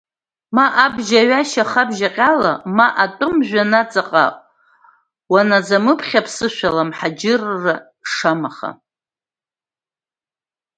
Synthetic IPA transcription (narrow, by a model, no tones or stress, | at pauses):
maʔabʒaɥaʃaχabʒaqʲʼalamaʔatʷʼʊmʒᶣʷanat͡sʼaqʼa̰ | wanad͡zamɨpʰχʲapʰsɨʃʷᶣalamħad͡ʒɪrːa | ʂamaχa̰